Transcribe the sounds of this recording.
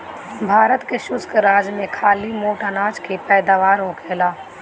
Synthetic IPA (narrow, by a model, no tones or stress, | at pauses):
bʱaːɾət̪keʃʊskɾaːd͡ʒmẽkʰaːlimoːʈanaːd͡ʒkʰepɛːd̪aːʋaːɾɦokʰɛːlaː